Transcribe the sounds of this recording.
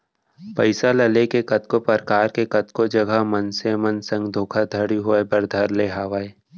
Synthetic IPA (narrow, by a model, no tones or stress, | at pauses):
pɐɪsalɐlekekɐt̪kopəɾkaːɾkekɐt̪kod͡ʒɐɡʱəmənsemənsə̃ŋɡd̪ʱoːkʰad̪ʱɐɽiɦoebɐɾd̪ʱɐɾleɦaːʋaːe